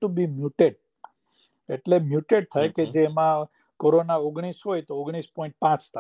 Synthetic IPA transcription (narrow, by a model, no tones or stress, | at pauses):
ʈubimjuʈeɖ̚ | eʈlemjuʈeɖ̚t̪ʰajked͡ʒeːmã | koɾonaoɡɽ̃isɦojt̪ooɡɽ̃ispɔ̃ĩɳʈ̚pãt͡ʃt̪ʰa